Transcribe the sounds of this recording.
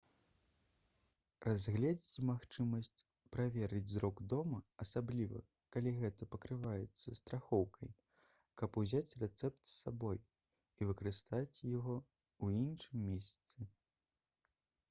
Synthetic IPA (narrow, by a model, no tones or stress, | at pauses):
razʲɣlʲɛd͡zʲit͡sʲmaxt͡ʂɨmɐsʲt͡sʲ | pɾavʲɛɾɨd͡zʲzɾɔɡd̪ɔmɐɐsablʲivɐ̰ | kalʲiɣɛt̪ɐpɐkɾɨvajɛt̪sːɐst̪ɾaxɔwkɐj | kɐpuzʲat͡sʲrɛt̪sɛp̚t̪sːabɔj | ivɨkɐɾɨst̪at͡sʲjaɣɔ | uinʂɨmːʲɛsʲt̪sɨ